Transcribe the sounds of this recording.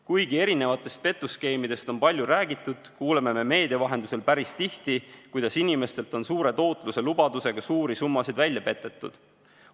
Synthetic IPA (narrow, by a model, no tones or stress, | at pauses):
kujɡie̞ɾine̞vɑt̪ːˑe̞st̪̚pe̞t̪ːˑuske̞jmid̪e̞st̪o̞npɑlʲjuɾæːɡ̥it̪ːˑud̪̥kuːle̞me̞me̞me̞ːd̪evɑɦe̞nd̪use̞lpæɾist̪iht̪ikujd̪̥ɑsinime̞st̪e̞lt̪ˑo̞nsuːɾe̞t̪o̞ːt̪ˑluse̞lubɑd̪use̞ɡ̥ɑsuːɾisumːɑsid̪vælʲjɑpe̞t̪ːˑe̞t̪ːˑṵd̪̥